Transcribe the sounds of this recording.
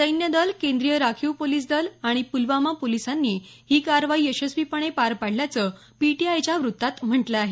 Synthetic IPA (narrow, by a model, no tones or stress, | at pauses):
səjnjəd̪əlkend̪ɾijəɾakʰiwpoliːs̬d̪əlaɽ̃ipulʋamapolisanːiː | hiːkaɾʋaiːəɕəsʋipəɳ̃epaɾpaɽ̤ljat͡səː | piʈiajt͡ɕjaʋɾut̪ːat̪m̤əɳʈləaɦe